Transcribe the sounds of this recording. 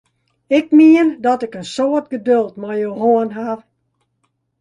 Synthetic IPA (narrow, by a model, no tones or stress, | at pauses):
ɪk̚miəndɔtɪkənsoːətɡədølˠtmɔjowɦoənɦar